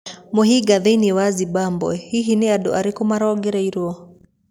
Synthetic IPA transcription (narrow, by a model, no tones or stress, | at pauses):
mɔɦiɡaðɛniwazibambɔ̰hiɦiniaɗɔ̰ʔaɾikɔmaɾaɔɡɛɾɛiɾuɔ